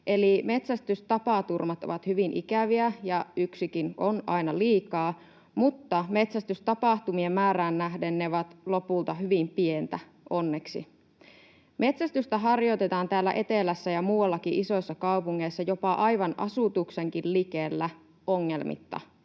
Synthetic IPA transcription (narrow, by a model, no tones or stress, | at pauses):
ʔe̞lime̞t̪sæst̪yst̪ɑpɑˑt̪urmɑt̪o̰ʋɑt̪hyʋinʔḭkæʋiæjɑyksikinonɑinɑliːkɑː | mut̪ːɑme̞t̪sæst̪yst̪ɑpɑˑht̪umie̞mːæːɾæːnːæɦdenːeʋɑt̪lo̞pult̪ɑɦyʋimpient̪æ | ʔo̞nːeksḭ | mʔe̞t̪sæst̪yst̪æɦɑrjot̪et̪ɑːnt̪æːlːæ̰ʔe̞t̪elæsːæjɑmuːwɑlːɑkiʔiso̞jsːɑkɑupuŋːeisːɑjo̞pɑʔɑjʋɑnʔɑ̰sut̪ukseŋkillikelːæ | oŋːelmḭt̪ːɑ̰